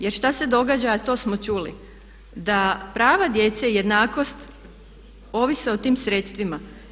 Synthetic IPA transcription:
je̞ɾʃt̪ase̞d̪o̞ɡad͡ʑat̪o̞ːsmot͡ʃuːlḭ | d̪apɾaːʋad̪je̞t̪seije̞d̪naːko̞st̪ | o̞ʋiseot̪iːmsɾet̪st̪ʋima

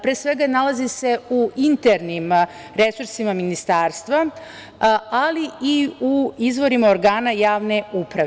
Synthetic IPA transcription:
pɾeːsʋe̞ɡanalazise̞uint̪eɾnim | ɾe̞suɾsimaminist̪aːɾst̪ʋa | aliiuizʋo̞ɾimao̞ɾɡaːnajaːʋne̞upɾa

